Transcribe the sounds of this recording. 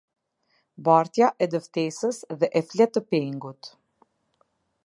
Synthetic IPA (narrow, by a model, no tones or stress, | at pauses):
baɾt̪jaʔɛd̪əft̪ɛsəsðɛʔɛθlɛt̪ːəpiŋɡut̪